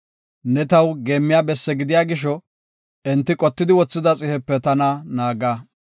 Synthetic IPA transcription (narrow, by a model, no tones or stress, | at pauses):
nɛt̪ɐwɡe̞ːmːɪjaːbɛsːɛɡɪd̪ɪjaːɡɪʃɔ | ɛnt̪ːɪkʼɔt̪ːɪd̪ɪwɔt͡sːɪd̪ɐt͡sʼɪhɛpːɛt̪ɐnanaːɡaː